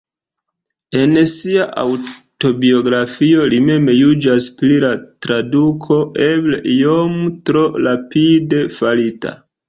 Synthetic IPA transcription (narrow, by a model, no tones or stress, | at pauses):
e̞nsiaʔa̰wto̞bio̞ɡɾafio̞lime̞mjud͡ʒasplilatɾadukʰo̞ʔebleiomtɾo̞lapide̞falita̰